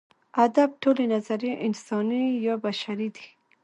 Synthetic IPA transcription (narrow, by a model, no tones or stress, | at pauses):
ad̪ab̚ʈolenazaɾjeʔɪnsɑnijɑbaʃaɾid̪i̥